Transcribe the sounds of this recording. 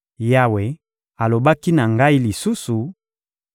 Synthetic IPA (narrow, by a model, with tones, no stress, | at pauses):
ja˦we˨ | a˨lo˨ba˦ki˦na˨ŋɡa˦i˦li˨su˦su˨